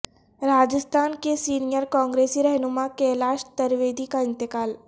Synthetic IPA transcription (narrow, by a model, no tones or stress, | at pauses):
ɾaːd͡ʒəst̪ʰaːnkesiːnijəɾkɔ̃ːŋɡɾeːsiɾɛɦnumakelaːʃt̪ɐɾʋeːd̪ikaɪ̃nt̪ɪkaːl